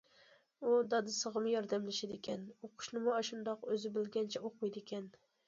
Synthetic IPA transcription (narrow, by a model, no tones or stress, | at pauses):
ud̪ɑd̪ɪsɨʁɨmjɒɾd̪amlɪʃad̪ekʲʰɛnoqʰʊ̥ʃnɪmɑʃʊnd̪ɑqøzɪbɪlɡʲant͡ʃʰɛoqʊjd̪ekʲʰɛn